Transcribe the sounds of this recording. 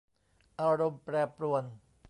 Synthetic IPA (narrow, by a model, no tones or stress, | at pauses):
ʔɑːɾompɾɛːpːɾuən